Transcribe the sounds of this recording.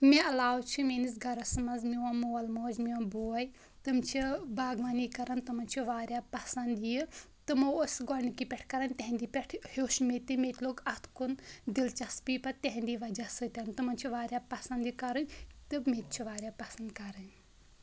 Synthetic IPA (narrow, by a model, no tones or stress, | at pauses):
meɐlaːwt͡ʃʰimeːnis̬ɡɐɾɐsmɐnzmiʋamowɐlmoːd͡ʒmiwɐboːɐj | t̪ɨmt͡ʃʰibaːɡʋɐniːkɐɾɐnt̪ɨmɐnʲt͡ʃʰiʋaːɾʲjaːpɐsɐnd̪ji | t̪ɨmoosɡɔnikipʲɛʈʰkɐɾɐnʲt̪eɦnd̪iːpʲɛʈʰhoːʃmet̪ɨmet̪ʲloːɡɐt̪ʰkund̪ilt͡ʃɐspiːpɐt̪eɦnd̪iːʋɐd͡ʒasɨt̪ʲɐnt̪ɨmɐnt͡ʃʰiʋaːɾjaːpɐsɐnd̪ikɐɾɨnʲt̪ɨmet̪̚t͡ʃʰiʋaːɾʲjaːpɐsɐnd̪kɐɾɨn